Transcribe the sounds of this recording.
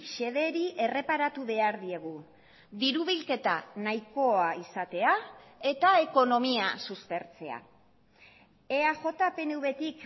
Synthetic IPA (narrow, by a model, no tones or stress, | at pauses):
ʃe̞ðe̞ɾiʔe̞re̞paɾat̪uβe̞aɾðie̞ɣ̞u | ðiɾuβ̞ilke̞t̪a̰najko̞aisat̪e̞ae̞t̪ae̞ko̞no̞miasuspe̞ɾt͡se̞̰a̰ | e̞aʝo̞t̪ape̞nuβe̞t̪ik